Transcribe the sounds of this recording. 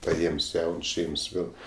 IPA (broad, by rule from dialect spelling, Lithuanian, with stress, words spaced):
pɐˈeːms ˈjɛʊns ˈʃʲɛɪms ˈnʊ